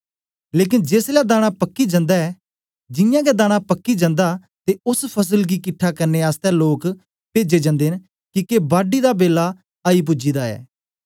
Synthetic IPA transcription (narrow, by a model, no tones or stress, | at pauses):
leːk̬ɪnd͡ʒeːslad̪aːɽ̃apəkːid͡ʒə̃nd̪aɛː | d͡ʒɪjãːkɛd̪aːɽ̃apəkːid͡ʒə̃nd̪aː | t̪eʊspʰəs̬əlɡiːkɪʈʰːakəɾneːaːst̪ɛloːk | peːd͡ʒed͡ʒə̃nd̪en | kikebaːɖiːd̪abeːla | aːip̬ʊd͡ʒiːd̪aːɛ̰ː